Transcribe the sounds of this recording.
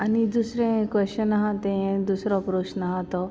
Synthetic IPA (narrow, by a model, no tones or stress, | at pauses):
anid̪usɾẽkʋɛst͡ɕənaɦãt̪ẽẽd̪usɾɔpɾoɕnaɦãt̪ɔ